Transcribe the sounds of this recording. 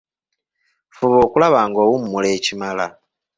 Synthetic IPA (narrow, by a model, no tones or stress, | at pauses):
fuβoːkulaβaːŋɡo̞ːwumumule̞cimala